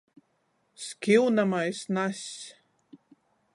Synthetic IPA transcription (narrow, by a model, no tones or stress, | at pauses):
skʲiwnamajsnasʲ